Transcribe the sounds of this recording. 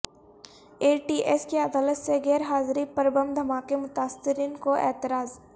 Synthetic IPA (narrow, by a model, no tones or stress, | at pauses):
eːʈiːʔeːskiɐd̪aːlət̪seɡɛːɾɦaːzɾipɐɾbə̃md̪ʱɐmaːkemʊt̪aːsɪɾiːnkoʔḛːt̪ɪɾaːz